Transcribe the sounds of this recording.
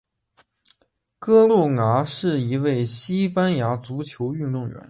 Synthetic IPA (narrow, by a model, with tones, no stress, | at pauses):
kɤ˥lu˥˩ŋa˧˥ʂɻ̩˥˩i˧˥we˥˩ɪɕi˥pa˥nja˧˥t͡su˧˥t͡ɕʰjo˧˥ʊy˥˧nt̪ʊ˥˩ŋɥɛ̰˧˥˦n